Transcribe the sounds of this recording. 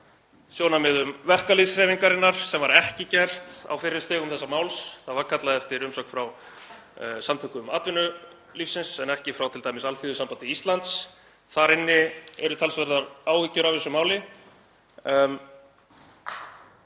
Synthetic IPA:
sjoːwnamɪðʏmvɛr̥kaliðsɾɛviŋkaɾɪnːaɾ̥sɛmvaɾɛhcɪcɛr̥t̪a̰wfɪɾɪɾ̥st̪ɛːɣʏmθɛsːamaːwlsθaðvaɾkʰat̪laðɛft̪ɪɾʏmsɔkfɾaw | samt̪ʰœhkʏmaːt̪vʏnʏ | lifsɪnsɛnɛhcɪfɾawt̪ʰɪlt̪ajmɪsalfiːðʏsampant̪ɪist̪lant̪s | θaɾɪnːɪɛ̰ɾʏt̪ʰalsvɛɾðaɾaːwɣicːʏɾavɛsːʏmaːwlɪ

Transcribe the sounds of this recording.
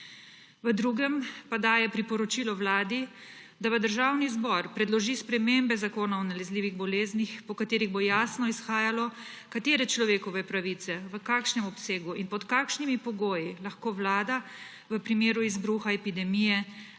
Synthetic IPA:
ʋəd̪ɾuːɡɛmpad̪aːjɛpɾipɔɾɔt͡ʃiːlɔwlaːd̪i | d̪aʋəd̪əɾʒaːwnizbɔɾpɾɛd̪lɔʒispɾɛmembɛzakoːnawnalɛzliːʋiɣbɔleːznixpɔkat̪eːɾiɣbojaːsnɔisxaːjalɔ | kat̪eːɾɛt͡ʃlɔʋeːkɔʋɛpɾaʋit̪sɛʋəkaːkʃnɛmɔpseːɡuinpɔt̪kakʃnimipɔɡoːjilaxkoːʋlaːd̪a | ʋəpɾimeːɾuizbɾuːxaɛpid̪ɛmijɛ

